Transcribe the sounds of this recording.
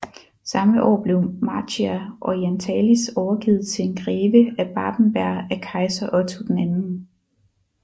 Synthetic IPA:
sɑ̈məʔɒ̰ːb̥le̝ʊmɑ̈t͡siæʔɒiænt͡sʰɛːlisɒʊɐɡ̥ið̩ˠt͡sʰe̝e̝nɡ̥ʁɛːʋəæb̥ɑ̈ːb̥n̩b̥æɐ̰ækʰɑ̈ɪsɐʔɒ̽t͡sʰud̥enænn̩

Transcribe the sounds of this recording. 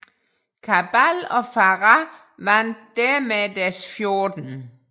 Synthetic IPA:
kʰab̥ælɒ̽fɑʁɑ | ʋænd̥d̥æɐmed̥æɐsfjo̝ːd̥n̩

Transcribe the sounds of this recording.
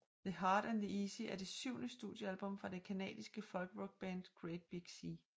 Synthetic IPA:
ðəɦɑːɾ̥ænðiiːsəæɐd̥e̝syʊ̰nəsd̥uːd̥ˠjəælb̥ɔ̽m̰fʁɑ̈d̥e̝kʰænɛ̰ːdˠisɡ̥əfɒ̽lɡ̥əʁɔɡ̥̚b̥ænd̥ɡ̥ʁed̥̚b̥iɡ̥si

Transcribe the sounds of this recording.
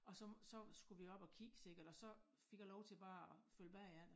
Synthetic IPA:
ɒ̽sɒ̽sɒ̽sɡ̥uʋiɒ̽b̥ɒ̽kʰiɡ̥ə̥se̝ɡ̥ɐd̥ɒ̽sɒ̽ | feɡ̥jɐlɒʊt͡sʰe̝lb̥ɑ̈ːɒfølb̥æiæn̰

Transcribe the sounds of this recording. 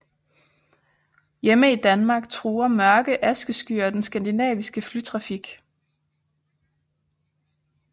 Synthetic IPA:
jeməid̥ænmɑ̈ːɡ̥̚t͡sʰʁuːɐmɶɐɡ̥əʔæsɡ̥əsɡ̥yːɐd̥ensɡ̥ænd̥inɛ̰ːʋisɡ̥əflyt͡sʰʁɑ̈fiɡ̥

